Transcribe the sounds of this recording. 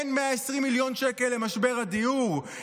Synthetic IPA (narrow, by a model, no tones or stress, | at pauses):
nmeaesʁimːiljo̞nʃeke̞lːe̞maʃbe̞ʁad̪ijuʁ